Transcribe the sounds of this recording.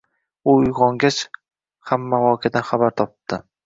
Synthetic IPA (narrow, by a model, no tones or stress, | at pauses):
ʊʊjʁɒŋɡʲat͡ʃ | hamːaʁɒkʲʰad̪anχabaɾt̪ʰɒpɨ̥d̪̥ɪ